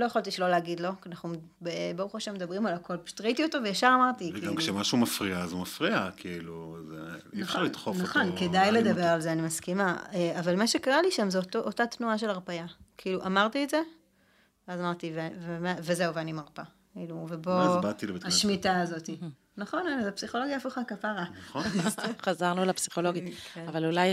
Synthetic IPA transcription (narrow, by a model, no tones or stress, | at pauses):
lo̞jaχalt̪iʃlo̞leaɡid̪lo̞kanaχnumbebaʁuχoʃamed̪ɐbʁimalako̞lpt̪ʁitiotovejaʃaʁamaʁt̪iɡɡamkʃemaʃumafʁiaːzumafʁiakʰiiluzḛifʃaʁlit̪χonfaχonkedajled̪ɐbeʁalzeanimaskimaeavalmaʃekaʁaliʃamzeotoʔotat̪nuaʃe̞laʁpajakʰiiluʔamaʁt̪ietze̞ | veazamaʁt̪ivevemaveze̞uveanimaʁpakiːluvebo̞zbat̪ilebt̪aʃmitaːzo̞t̪i | naχo̞nanazapsiχo̞loɡjaːfuχakafaʁaχoχazaʁnulapsiχo̞lo̞ɡiavalulaj